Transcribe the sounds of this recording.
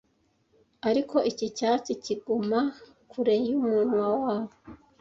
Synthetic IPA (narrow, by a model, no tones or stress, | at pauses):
aɾiko̞ʔicicaːt͡siciɡuma | kʰuɾejumuːnwawawo